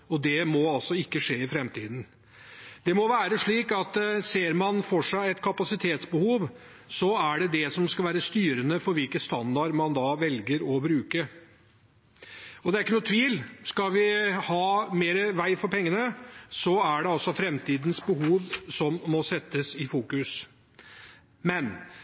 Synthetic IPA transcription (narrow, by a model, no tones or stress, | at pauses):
ɔd̪ɛmɔɑlsɔɪkːəʂeːɪfɾɛmt̪ʰiːd̪n̩ | d̪̥ɛmɔʋæːɾəʂɭiːkɑt̪seːɾmɑnfɔʂæɪɛt̪kʰɑpɑsɪt̪ʰeːt̪sbəhuːʋ | sɔæɖɛd̪ɛsɔmskɑlʋæːɾəst̪yːɾənəfɔɾʋɪlkəst̪ɑnd̪ɑɖmɑnd̪ɑːʋɛlɡəɾɔbɾʉːkə | ɔd̪ɛæɾɪkːənuːt̪ʰʋiːlskɑlʋɪhɑːmeːɾəʋæɪfɔɾpʰɛŋːənəsɔæɖɛɑlsɔfɾɛmt̪iːd̪nsbəɦuːʋsɔmːɔsɛt̪ːəsɪfuːkʉs | mɛn